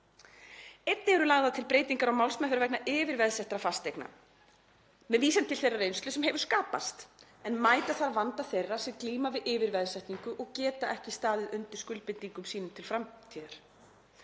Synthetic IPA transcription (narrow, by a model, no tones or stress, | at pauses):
ejt̪nɪɛɾʏlaɣðat̪ʰɪlpɾeːjt̪iŋkaɾawmawlsmɛθɾvɛknaʔɪːvɪɾvɛðsɛht̪ɾafast̪ejkna̰ | mɛðviːsɛnt̪ʰːɪlθejrːareːjnst̪ʏsɛmɦɛvʏ̥skaːpa̰st̪ | ɛnmaːjt̪aθaɾvant̪aθejrːḁsɛmkliːmavɪðɪːvɪɾvɛðsajht̪niŋkʏʔɔɣcɛːt̪aʔɛhcɪst̪aːðɪðʏnt̪ɪ̥ɾ̥skʏlpɪnt̪iŋkʏmsiːnʏmt̪ʰɪlfɾamt̪ʰiːðaɾ̥